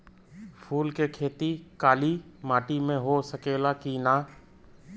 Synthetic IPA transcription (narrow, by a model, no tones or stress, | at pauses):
pʰuːlkekʰeːt̪ikaːlimaːʈimẽɦosəkeːlakinaː